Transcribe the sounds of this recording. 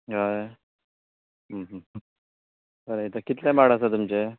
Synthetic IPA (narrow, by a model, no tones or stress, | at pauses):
ɦaj | ɦəɦə | kəɾeit̪akit̪lamaɽasat̪umt͡ɕe